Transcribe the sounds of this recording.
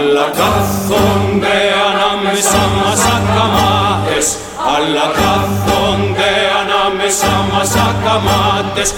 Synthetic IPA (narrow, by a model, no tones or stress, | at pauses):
laka | kond̪eanamesamasakamat̪es | alːakakond̪eanamesamasakamat̪es